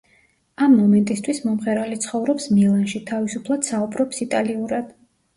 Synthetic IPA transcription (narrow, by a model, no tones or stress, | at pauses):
amːɔmɛnt̪ʼist̪ʰwismɔmχɛɾalit̪sʰχɔvɾɔpsmilˠanʃit̪ʰavisupʰlˠad̪̥saubɾɔpsit̪ʼaliuɾad̪̥